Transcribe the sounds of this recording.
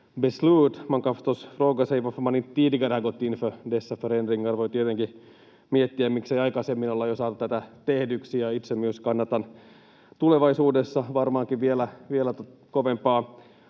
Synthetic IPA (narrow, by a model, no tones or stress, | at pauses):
besluːt̪mɑŋkɑft̪osfroːɡɑseiʋɑfmɑnint̪ːiːdiɡɑrɑɡot̪ːinfødesːɑføɾenriŋːɑrʋoit̪iet̪eŋki | miet̪ːiæmmiksejɑikɑsemːinolːɑjosɑːt̪ut̪æt̪æt̪ehdyksijɑit̪semyøskɑnːɑt̪ɑn | t̪uleʋɑisuːdesːɑʋɑrmɑːŋkiʋʋielæʋielæt̪o | koʋempɑː